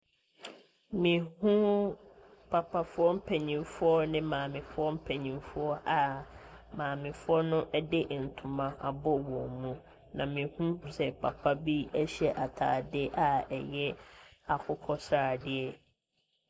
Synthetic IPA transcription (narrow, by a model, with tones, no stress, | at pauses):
mĩ˨hũ˦ | pʰa˨pʰa˨fʊ˦ɔ˦m̩˦pʰɛ˨ɲĩ˨mfʊ˦ɔ˦nɪ̃˦mãː˨mɪ̃˨fʊ˦ɔ˦m̩˦pʰɛ˨ɲĩ˨mfʊ˦ɔ˦ʔa˨mãː˨mɪ̃˨fʊ˦ɔ˦nʊ̃˦ʔɛ˦dɪ˦ʔn̩˨tʰʊ̃˨mã˨ʔa˨bɔ˦wɔ̃˨mũ˦ | nã˨mĩ˨hũ˦sɛ˨pʰa˨pʰa˦bi˦æ˦ɕɛ˨ʔa˨tʰaː˨dɪ˦ʔa˨ɛ˨jɛ˦a˨kʰʊ˦kʰɔ˦saː˨dɪ˦ɛ˦